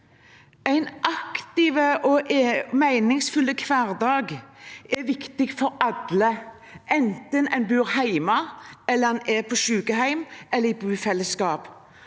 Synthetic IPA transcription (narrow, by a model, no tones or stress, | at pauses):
æɪnʔɑkt̪ɪːʋəʔɔʔmæɪnɪŋsfʉlːəkʰʋɑːɾd̪ɑːɡɛʋɪkt̪ɪɡfɔɾɑd̪lə | ʔɛnt̪ənɛɪnbʉːɾhæɪmɑɛlːəɛnɛpʰoʃʉːkəɦæɪmɛlːəɾɪbʉːfɛlːəskɑːp